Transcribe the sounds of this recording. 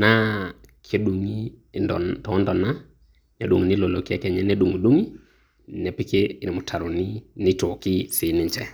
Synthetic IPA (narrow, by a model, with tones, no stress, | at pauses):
na˦ | kʰe˦du˨ŋḭ˦˨ | tɔ˨˦ndɔ˨na˦ | nɛ˨du˨ŋ˨nɪ˦lo˨lo˨kɛ˦kɛ˨ɲɛ˦nɛ˦du˨ŋo˨du˦ŋi˦ | nɛ˨pɪ˦ke˦ɪ˨mʊ˨tʰa˨ɾɔ˨nɪ˦nɪ˦tɔ˨kɪ˦sɪ˨˦nɪ˨ɲt͡ʃɛ˦